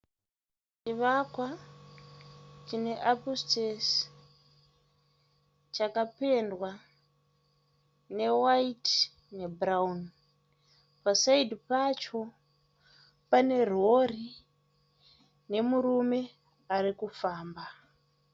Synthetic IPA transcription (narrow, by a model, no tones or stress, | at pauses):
t͡ʃiʋakwa | t͡ʃine̞ʔapustes | t͡ʃakape̞ndwa | ne̞wait | ne̞braun | pasaidʱipat͡ʃo̞ | pane̞r̤ori | ne̞murume̞ | arikufaːmba